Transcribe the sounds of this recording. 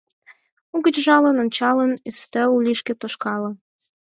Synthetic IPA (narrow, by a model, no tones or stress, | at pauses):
uɣə̆t͡ɕʒɑlə̆nont͡ɕɑlənyst̪ə̆llʲiʃket̪oʃkɑlɤ̆